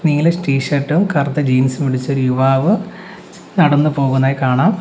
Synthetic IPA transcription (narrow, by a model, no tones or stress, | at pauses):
niŋːɐlesʈiːʂɐʈːumkɐrd̪ɐd͡ʑiːnsumiɽit͡ɕːo̞ɾujuʋaːʋɨ | nɐɽɐnːɨpo̞ːɣunːaːjikaːɳaːm